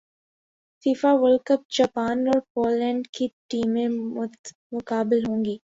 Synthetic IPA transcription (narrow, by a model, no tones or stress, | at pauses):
fiːfaʋəlkəp̚d͡ʒaːpaːnɔːɾpoːlːɛ̃ːɳɖkiʈiːmẽmʊ | mʊkaːbɪlɦõːŋɡiː